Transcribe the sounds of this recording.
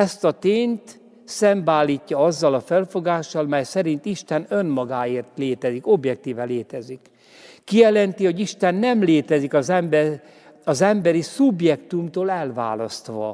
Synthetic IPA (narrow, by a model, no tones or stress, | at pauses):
ɛst̪ɒt̪eːɲt̪ | sɛmbaːlːiːcːɒɒzːɒlɒfɛlfo̞ɡaːʃːɒlmɛjsɛɾint̪iʃt̪ɛnø̞nmɒɡaːeːrt̪leːt̪ɛziko̞bjɛk̚t̪iːvɛleːt̪ɛzikː | ijɛlɛnt̪iho̞ɟiʃt̪ɛnːɛmleːt̪ɛzikɒzɛmbɛ | ɒzɛmbɛɾisubjɛkt̪umt̪oːlɛlva̰ːlɒst̪ʋɒ̰